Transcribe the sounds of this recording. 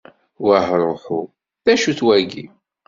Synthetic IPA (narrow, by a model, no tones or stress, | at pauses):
wahɾˤoħu | θæʃuθwæɡi